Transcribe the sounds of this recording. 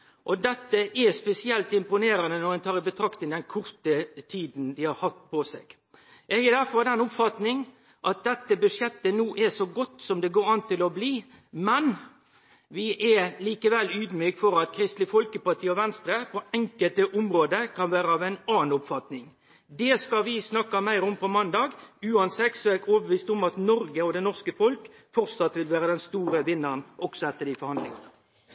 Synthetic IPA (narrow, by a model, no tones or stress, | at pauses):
ʔɔd̪ɛt̪ːəʔɛspɛsɪɛlt̪ɪmpʊneːɾɑnənɔɾɛnt̪ʰɑːɾɪbət̪ʰɾɑkt̪ɪŋd̪ɛnkʰʊɾt̪ət̪ʰiːd̪n̩d̪ɪhɑɾhɑt̪ːpʰɔsɛɡ̥ | ʔɛɡɛd̪æɾfɔd̪ɛnʊpfɑt̪nɪŋ | ʔɑt̪̚d̪ɛt̪ːəbʉʂjɛt̪ːənuːʔɛsɔɡɔt̪ːsɔmd̪ɛɡoːɾɑnt̪ʰːɪlɔbliː | mɛn | ʋɪʔɛliːkəʋɛlyːd̪myːkfɔɾɑt̪kʰɾɪst̪lɪfɔlkəpɑt̪ʰiːɔʋɛnst̪ɾəpʰɔɛŋkəlt̪əʔʊmɾoːd̪əkʰɑnʋæːɾəɑːʋæɪnɑːnʊpfɑt̪nɪŋ | d̪ɛskɑʋɪsnɑkːɑmæɪɾɔmpɔmɑnd̪ɑːɡʉːɑnsɛk̪sɔæɾoːbəʋiːst̪ɔmɑt̪nɔɾɡəɔd̪ɛnɔʁskəfɔlk | fɔɾsɑt̪ːʋɪlʋæːɾəd̪ɛnst̪uːɾəʋɪnːənʔɔksɔɛt̪ːəd̪ifɔɾhɑnd̪lɪŋɑnə